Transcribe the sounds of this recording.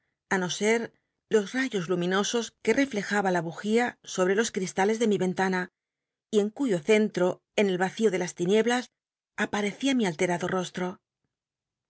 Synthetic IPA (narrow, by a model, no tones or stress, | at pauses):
ano̞se̞ɾ | lo̞zraʝo̞zlumĩno̞so̞ske̞re̞fle̞xaβalaβuxiaso̞β̞ɾe̞lo̞skɾist̪ale̞zðe̞miβẽ̞nt̪ana | ie̞ŋkuʝo̞θe̞nt̪ɾo̞ | e̞ne̞lβaθio̞ðe̞last̪inje̞βlas | apaɾe̞θiamialt̪e̞ɾaðo̞ro̞st̪ɾo̞